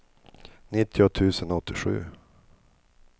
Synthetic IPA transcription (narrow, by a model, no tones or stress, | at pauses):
nɪt̪ʰːɪʊt̪ʰʉ̟ːsənɔt̪ʰːɪɧʉ̟̰ː